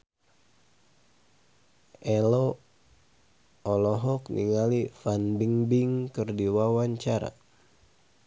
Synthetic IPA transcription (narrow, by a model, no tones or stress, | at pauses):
ʔɛlɔ | ɔlɔɦɔknḭŋalifanbiŋbiŋkɨrdiwawaɲt͡ʃaɾa̰